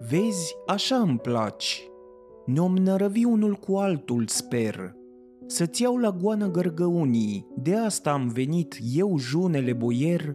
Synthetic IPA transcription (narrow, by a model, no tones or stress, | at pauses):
ve̞zʲaʃaɨmpla̰t͡ʃ | neo̞mnəɾəviunulkualt̪ulspe̞r | sət̪siawlaɡuanəɡərɡəunijd̪e̞ast̪aːmve̞nit̪je̞wʒune̞le̞bo̞je̞r